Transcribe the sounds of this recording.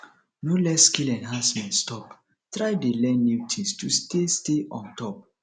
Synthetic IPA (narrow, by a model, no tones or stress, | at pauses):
nolɛskilɛ̃nɦasmɛ̃stɔp | tɹajdelɛ̃nːitʰistustesteʔɔ̃ntʰɔp̚